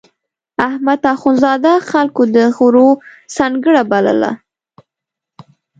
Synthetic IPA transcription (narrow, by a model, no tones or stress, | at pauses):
ahmat̪axunzɑd̪axalkod̪əɣɾosɑŋɡəɽabalə̰la̰